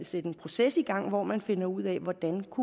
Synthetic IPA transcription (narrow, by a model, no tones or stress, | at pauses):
lsed̥əe̝npʰʁo̝sesiɡ̥ɑ̈ŋ̰ʋɒmænfe̝nɐuð̞̰ˠɛʋɒd̥ænkʰu